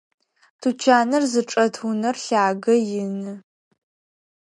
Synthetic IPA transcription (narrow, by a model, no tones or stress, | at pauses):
tʰut͡ʃʰaːnɐrzɨʈ͡ʂʼɐtʰunɐrɬaːɡɐjɪnɨ